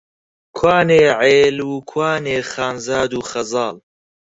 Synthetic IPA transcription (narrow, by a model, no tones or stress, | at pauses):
kʰwaːneːʕeːlukʰwaːneːχaːnzaːd̪uːxɐzɑːl